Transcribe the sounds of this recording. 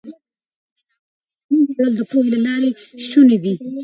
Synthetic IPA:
muɡaɽəld̪əpoɦelalɑɾeʃuned̪i

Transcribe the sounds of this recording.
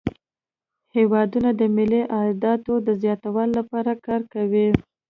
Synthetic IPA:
hewɑd̪unad̪əmɪliʔɑd̪ɑt̪od̪əzjɑt̪awəlːapɑɾakɑɾkawi

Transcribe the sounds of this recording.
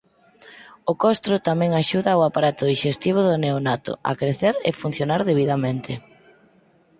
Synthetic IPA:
ʊkɔst̪ɾʊt̪amɛ̃ŋaʃuðaʊapaɾat̪ʊðiʃest̪iβ̞oðʊneonat̪ʊ̰a̰kɾeθeɾḛfun̟θjonaɾðeβ̞iðamẽnt̪ʰɪ

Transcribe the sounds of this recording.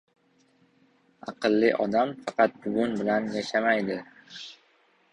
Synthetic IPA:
ɑ̰qɨlːɪʔɒd̪amfɑqɑt̪̚bʊvʊnbɪlanjaʃamajd̪ɪ

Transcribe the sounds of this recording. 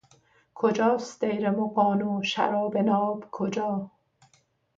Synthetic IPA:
kʰod͡ʒɒːsd̪ejɾemoqɒːnoːʃæ̰ɾɒːbenɒːbkʰod͡ʒɒː

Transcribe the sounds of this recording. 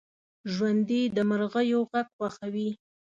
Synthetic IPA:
ʒwand̪id̪əməɾɣəjoɣaɡxwaxawi

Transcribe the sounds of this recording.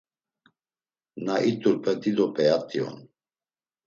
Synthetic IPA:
naʔit̪ʼuɾpʰʼɛt̪id̪ɔpʼɛat̪ʼiɔ̰n

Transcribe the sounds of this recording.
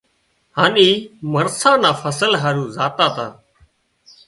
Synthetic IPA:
ɦaːniːməɾsãːnãːfəsəlɦaːɾuːzaːt̪aːt̪aː

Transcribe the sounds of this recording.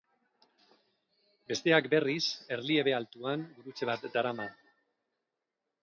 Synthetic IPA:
be̞st̪e̞akbe̞rise̞ɾlie̞βe̞alt̪uaŋbuɾut͡se̞β̞at̪d̪aɾama

